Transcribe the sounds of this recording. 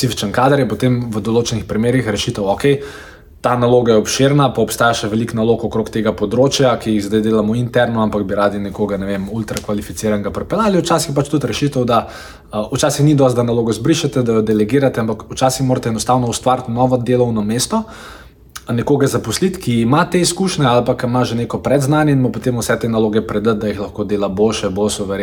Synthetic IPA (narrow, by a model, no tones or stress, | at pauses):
psifit͡ʃənkaːd̪əɾjɛpɔt̪emʋəd̪oloːt͡ʃɛnixpɾimeːɾixɾɛʃit̪əwɔkɛj | t̪analoːɡajɛɔpʃeɾnapaɔpst̪aːjaʃɛʋɛliknalokɔkɾoːkt̪eɡapɔd̪ɾoːt͡ʃjakijiɣzd̪ajd̪eːlamɔint̪ɛɾnɔampakbiɾaːd̪inɛkoɡanɛʋemult̪ɾakʋalifit̪siːɾaŋɡapɾɛpɛlaːliut͡ʃaːsixpat͡ʃt̪ut̪ɾɛʃit̪əwd̪a | ut͡ʃaːsixnid̪ɔst̪̚d̪analoːɡɔzbɾiʃat̪ɛd̪ajɔd̪ɛlɛɡiːɾat̪ɛampakut͡ʃaːsixmoːɾt̪ɛɛnɔst̪aːwnɔust̪ʋaɾt̪nɔʋɔd̪eːlɔwnɔmeːst̪ɔ | nɛkoːɡazapɔslit̪kiimat̪eiskuʃnɛalpakimaʒeneːkɔpɾɛd̪znanjɛinmɔpot̪emʊsɛt̪enaloːɡɛpɾɛd̪ət̪̚d̪ajixlɐxkod̪eːlabolʃɛbolsuʋɛɾe